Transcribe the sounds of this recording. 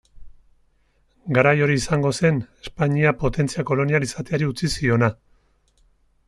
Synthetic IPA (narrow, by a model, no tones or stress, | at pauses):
ɡaɾajo̞ɾiːsaŋɡo̞se̞ne̞spaɲiapo̞t̪e̞nt͡siako̞lo̞nialisat̪eaɾiut͡sisio̞na